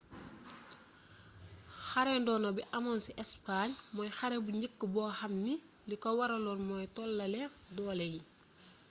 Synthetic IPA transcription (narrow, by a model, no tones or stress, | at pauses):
xɐɾɛndɔːnɔbiʔɐmɐnsiʔɛspaɲmɔjxɐɾebuɲəkːəbɔːxɐmni | likɔwɐɾɐlɔnmɔːjtɔːlːɐlɛdɔːlɛji